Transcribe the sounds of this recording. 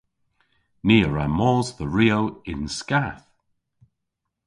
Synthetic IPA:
niːəɹamɔːzðəɹiːowɪnskaθ

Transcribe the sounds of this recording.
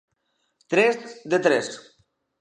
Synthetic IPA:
t̪ɾɛsd̪et̪ɾɛs

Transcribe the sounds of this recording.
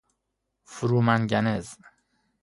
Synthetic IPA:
fuɾuːmænɟænez

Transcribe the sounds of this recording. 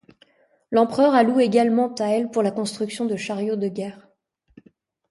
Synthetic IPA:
lɑ̃pχœʁalueɡalmɑ̃t̪aɛlpuʁlakɔ̃st̪χyksjɔ̃d̪əʃaʁjod̪əɡʲɛːʁ

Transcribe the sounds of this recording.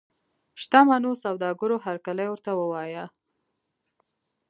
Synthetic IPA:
ʃt̪amanosawd̪ɑɡʊɾoɦaɾkalajwəɾt̪awəwɑja

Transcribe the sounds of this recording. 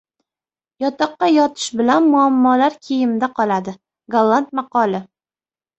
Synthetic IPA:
jɒt̪ʰɑqːɑjɒt̪ʰɪ̥ʃbɪlanmʊamːɒlaɾkʲʰejɪmd̪aqʰɒlad̪ɪ | ɡalˠːant̪̚mɑqɒlɪ

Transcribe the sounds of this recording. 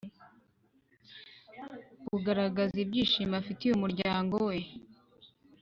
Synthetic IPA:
buɡaɾaɡazib̚ɟiːʃimafitijumuɾɟaːŋɡowe̞

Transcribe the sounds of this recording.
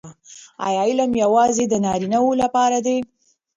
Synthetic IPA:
a̰jɑɪlamjawɑzed̪ənɑɾinawolapɑɾad̪e

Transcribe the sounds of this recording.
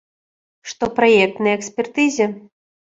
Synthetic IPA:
ʂt̪ɔpɾajɛk̚t̪nɐjɐɛksʲpʲɛrt̪ɨzʲɐ

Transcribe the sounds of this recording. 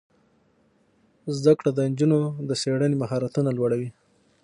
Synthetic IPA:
zd̪akɽad̪ənd͡ʒunod̪əseɽənemaɦɑɾat̪unalwaɽawi

